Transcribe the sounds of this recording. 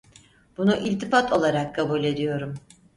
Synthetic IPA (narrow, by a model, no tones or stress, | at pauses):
b̥unuʔilʲt̪ifat̪ʰo̞lˠaɾakʰːabulʲe̞d̪ijo̞ɾum